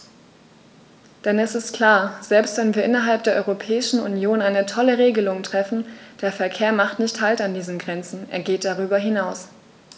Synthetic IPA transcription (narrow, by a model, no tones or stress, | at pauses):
d̥ɛnɛsɪstkʰl̥aːɐz̥ɛlpstvɛnviːɐʔɪnɐɦalp̚d̥eːɐʔɔ̰ʁopʰɛːɪʃn̩ṵnjoːnaɪnətʰɔləʁeːɡəlʊŋtʁ̥ɛfn̩d̥eːɐfɛɐkʰeːɐmaχtnɪçthaltandiːzənɡʁɛnt͡sn̩ʔeːɐɡeːt̚d̥aʁ̞yːbɐɦɪnaʊs